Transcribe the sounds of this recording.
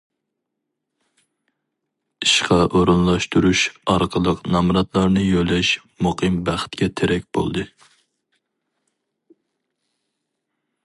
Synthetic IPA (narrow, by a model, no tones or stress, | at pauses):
iʃqʰɑʔoɾunlˠɑʃt̪uɾuʃɑɾqʰəlˠəqnɑmɾɑt̪lˠɑɾnɨjølɛʃ | muqʰɨmbæχt̪̚kʲɛt̪ʰeɾɛkʲb̥o̰lˠd̪ɨ